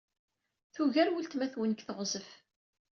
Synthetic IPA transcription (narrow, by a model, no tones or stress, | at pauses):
θuʝæɾwəlt̪mæθwənkθəʁzəf